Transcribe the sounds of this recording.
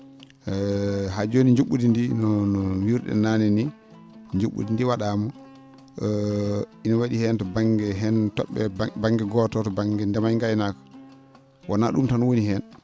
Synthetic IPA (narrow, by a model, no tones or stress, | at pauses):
ɦad͡ʒoniɲd͡ʒuɓːudindinɔnɔwiɾɗɛ̰nanini | ɲd͡ʒuɓṵdindiwaɗaːmɔ | inɔwaɗihɛntɔbaŋɡɛɦɛntɔ̰ɓːɛbaŋɡɛɡɔtɔtɔbaŋɡɛndɛmajŋɡajnakḁ | wʔanaɗumtanɔwonihɛn